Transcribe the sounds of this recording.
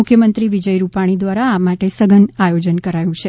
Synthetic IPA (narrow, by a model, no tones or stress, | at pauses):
ʊkʰjəmənt̪ɾiʋid͡ʒəjɾupaɽ̃id̪ʋaɾaːmaʈesəɡənajod͡ʒənkəɾajũt͡ʃʰe